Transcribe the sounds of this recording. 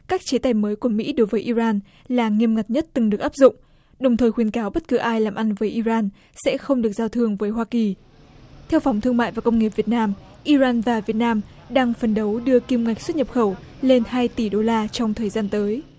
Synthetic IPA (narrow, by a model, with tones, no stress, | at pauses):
kaː˦˥k̚t͡ɕe˨˦t̪aː˧˩jməː˨˦jku˧˩əmḭ˧˥ɗo˨˦jvəː˨˦jʔi˧zaː˧n | laː˨˩ŋi˧əmŋa˨˩t̚ɲə˦˥t̚t̪ɨ˨˩ŋɗɨ˨˩ək̚ʔaː˦˥p̚zʊ̰˧˨ŋ͡m | ɗə˨˩wŋ͡mt̪ʰəː˨˩jxwi˨˦ənkaː˨˦wɓə˦˥t̚kɨ˨˦ʔaː˧jlaː˨˩mʔa˧nvəː˨˦jʔi˧zaː˧n | sɛ̰˧˥xə˧wŋ͡mɗɨ˨˩ək̚zaː˧wt̪ʰɨ˧əŋvəː˨˦jɦwaː˧ki˨˩ | t̪ʰɛ˧wfɔ˨˦wŋ͡mt̪ʰɨ˧əŋma̰ː˧˨jvaː˨˩kə˧ŋ͡mŋe˨˩p̚vi˨˩ət̚naː˧m | ʔi˧zaː˧nvaː˨˩vi˨˩ət̚naː˧m | ɗaː˧ŋfə˨˩nɗə˨˦wɗɨ˧əki˧mŋa˨˩k̟̚swə˦˥t̚ɲə˨˩p̚xə˧˩wle˧nhaː˧jt̪i˧˩ɗo˧laː˧t͡ɕɔ˧wŋ͡mt̪ʰəː˨˩jzaː˧nt̪əː˨˦j